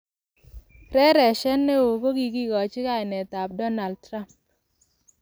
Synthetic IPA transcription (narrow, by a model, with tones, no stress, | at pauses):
ɾɛ˦ɾɛ˨ʃɛ˦nːe˦o˨ko˦ɡi˨ɡi˦kɔ˨t͡ʃɪ˦ka˦ɪ˨nɛ˨t̪a˨p̚dɔ˦na˨ld̚tɾa˦mp̚